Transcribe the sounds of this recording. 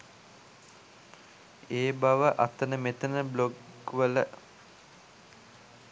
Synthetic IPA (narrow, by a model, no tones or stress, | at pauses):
eːbaʋəʔat̪ənəmet̪ənəbloɡʋələ